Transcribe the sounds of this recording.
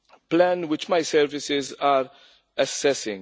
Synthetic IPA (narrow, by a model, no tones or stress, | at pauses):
plɛnwɪt͡ʃmɐjsɛɾvɪsɪzaːɾ | ɐsːɛsɪ̰̃ŋ